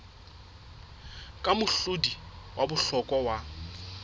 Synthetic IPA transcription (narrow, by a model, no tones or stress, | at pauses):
kʼamʊɬʊdiwabʊɬɔkʼɔwa